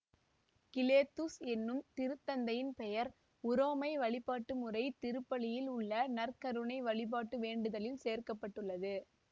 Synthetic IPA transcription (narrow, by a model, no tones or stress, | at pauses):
kɪleːt̪ːusɛnːɯmt̪ɪɾɯt̪ːɐnd̪ɐjɪnpɛjɐɾ | ʊɾoːmɐɪʋɐɭɪpːaːʈːɯmʊrɐɪt̪ɪɾɯpːɐɭɪjɪlʊɭːɐnɐrkɐɾɯɳɐɪʋɐɭɪp̬aːʈːɯʋeːɳɖɯðɐlɪlseːrkɐpːɐʈːɯɭːɐðɯ